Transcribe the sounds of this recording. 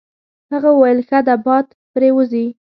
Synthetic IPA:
haɣawajlxad̪abɑd̪ | pɾewəzi

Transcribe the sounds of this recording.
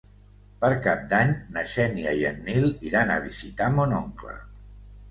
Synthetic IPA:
pəɾkap̚d̪aɲnəʃɛniəjənːiliɾanə̰β̞izit̪amonoŋklə̰

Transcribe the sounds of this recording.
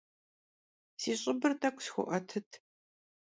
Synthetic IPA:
siːɕʼɪbɨrtʰɐkʷʰʼsxʷʊ̰ʔɐtʰɨtʰ

